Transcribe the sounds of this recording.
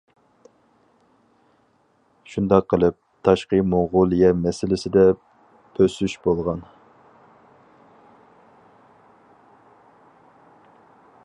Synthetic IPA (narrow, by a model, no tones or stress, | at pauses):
ʃund̪ɑqʰːəlˠɨp̚t̪ʰɑʃqəmoʁʊlˠijɛmɛsɪlɪsɪd̪ɛ | pʰøsyʃbolˠʁɑn